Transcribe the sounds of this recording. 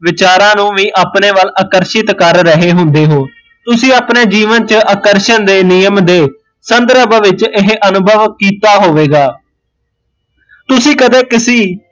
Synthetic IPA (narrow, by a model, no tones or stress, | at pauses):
ʋɪt͡ʃaːɾãːnũːʋiːʔaːpneːʋəlaːkəɾʃɪt̪kəɾːəɦeːɦʊnd̪eːɦoː | t̪ʊsĩːaːpneːd͡ʒiːʋənt͡ʃəʔakəɾʃənd̪eːnijəmd̪eː | sənd̪ɾəbəʋɪt͡ʃɪɦʔənʊbʱəʋkiːt̪aːɦoːʋeːɡaː | t̪ʊsĩːkəd̪eːkɪsiː